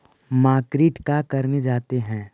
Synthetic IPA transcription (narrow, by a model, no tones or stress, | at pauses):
maːkɾiːʈkakɐɾned͡ʒaːt̪eɦɛ̃ː